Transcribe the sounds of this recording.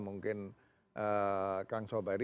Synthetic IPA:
muŋkɪn | ʔəkaŋsobaɾi

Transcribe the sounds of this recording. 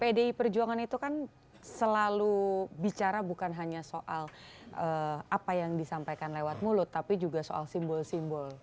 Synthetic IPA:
pedeipərd͡ʒuaŋanit̪ukan | səlalubit͡ʃaɾabukanɦaɲasoʔalʔəapajaŋdisampajkanlewat̪̚mulʊt̪ːapid͡ʒuɡasoa̰lsimbɔlsimbɔl

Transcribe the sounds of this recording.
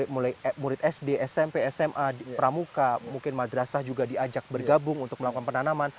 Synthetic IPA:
ɪmulajmuɾɪt̪ɛsdeʔɛsɛmpeɛsɛmʔapəɾamukamuŋkɪnmadɾasahd͡ʒuɡadiad͡ʒak̚bərɡabʊŋunt̪ʊk̚məlakukanpənanaman

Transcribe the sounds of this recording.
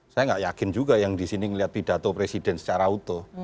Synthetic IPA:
sajaŋɡaʔjakɪnd͡ʒuɡajaŋdisiniŋəliat̪̚pid̥a̤t̪opɾesid̥ɛnsə̥t͡ʃaɾaut̪o

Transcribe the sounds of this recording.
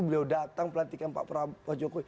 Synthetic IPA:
bəliawdat̪aŋpəlant̪ikanpa̰ʔpəɾapad͡ʒokoi

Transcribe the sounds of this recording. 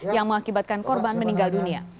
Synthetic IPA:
jaŋməŋakibat̪̚kankɔrbanməniŋɡaldunia̰

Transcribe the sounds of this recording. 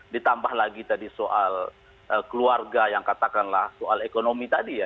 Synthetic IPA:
dit̪ambahlaɡit̪adisoʔal | ʔəkəluarɡajaŋkat̪akanlahsoalekonomit̪adija

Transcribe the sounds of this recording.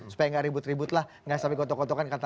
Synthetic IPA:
su̥pajaŋɡaʔɾibʊt̪ribʊt̪lah | ŋɡasapikot̪ɔkot̪ɔkankat̪a

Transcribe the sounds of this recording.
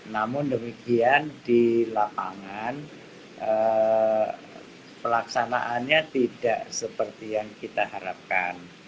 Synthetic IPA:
namʊndəmikiandilapaŋan | ʔə | pəlaksana̰ʔanɲat̪idaʔsəpərt̪ijaŋkit̪ahaɾa̰p̚ka̰n

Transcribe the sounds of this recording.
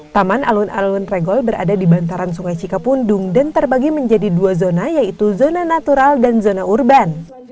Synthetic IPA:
t̪amana̰luna̰lunreɡɔlbəɾa̰dadibant̪aɾansuŋajt͡ʃikapunduŋdant̪ərbaɡiməɲd͡ʒadiduazonajait̪uzonanat̪uɾaldanzonaurban

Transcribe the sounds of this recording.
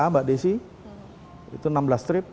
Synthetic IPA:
abaʔdesɪh | ḭt̪unamblast̪ɾɪp̚

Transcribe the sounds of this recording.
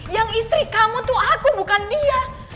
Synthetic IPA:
jaŋist̪ɾikamut̪ʊhakubukandia

